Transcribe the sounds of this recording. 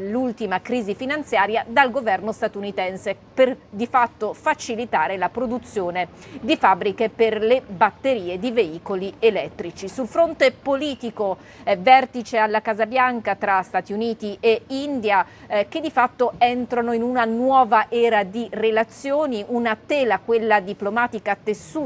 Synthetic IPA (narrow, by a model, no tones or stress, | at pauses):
lult̪imakɾiːzifinant̪sjaːɾjad̪alɡovɛrnost̪at̪unit̪ɛnse | perd̪ifat̪ːofat͡ʃilit̪aːɾelapɾod̪ut̪sːjoːned̪ifabːɾikeperlebat̪ːeɾiːed̪iveiːkolielɛt̪ːɾit͡ʃisulfɾont̪epoliːt̪iko | ɛvɛrt̪it͡ʃealːakazabjaŋkat̪ɾast̪aːt̪iuniːt̪iʔeind̪ja | k̟ed̪ifat̪ːoɛnt̪ɾanoinunanwɔːvaʔɛːɾad̪irelat̪sːjoːniʔunat̪eːlakwelːad̪iplomaːt̪ikat̪ːesu